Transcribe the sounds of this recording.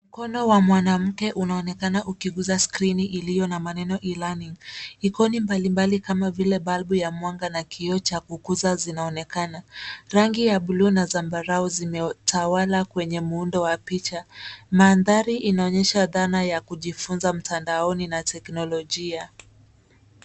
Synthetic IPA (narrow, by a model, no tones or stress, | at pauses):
m̩kɔnɔwamwanam̩kɛʔunaɔnɛkanaʔukiɠuzaskɾiniʔilijɔnamanɛnɔʔilaniŋikɔnimbalimbalikamavilɛɓalɓujamwaŋɡanakiɔt͡ʃakukuzazinaɔnɛkanaɾaŋɡijaɓlunazambaɾaɔzimɛtʰawalakwɛɲɛmuundɔwapit͡ʃamaːnðaɾiʔinaɔɲɛʃaðanajakuʄifunzam̩tʰandaɔninatʰɛknɔlɔʄia